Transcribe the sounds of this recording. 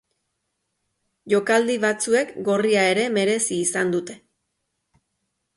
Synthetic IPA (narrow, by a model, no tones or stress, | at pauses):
ʝo̞kald̪iβat͡sue̞kɡo̞riae̞ɾe̞me̞ɾe̞siːsand̪ut̪e̞